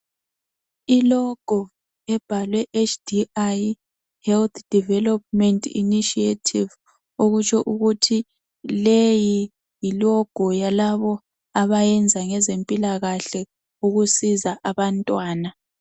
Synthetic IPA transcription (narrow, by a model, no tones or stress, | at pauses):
ilɔɡ̥ʱɔ | ɛb̥ʱalwɛʔet͡ʃʰʼd̥iaj | hɛlt̪ʰd̥ʱivɛlɔp̚mɛntʼʰḭniʃietʰiv | oɣut͡ʃʰʼɔʔuɣutʰi | leji | jilɔɡ̥ʱɔjalaβɔ | aβajɛnd͡zʱaŋɛzempʼilaɣaɬɛ | uɣusizaʔaβantʼwaːna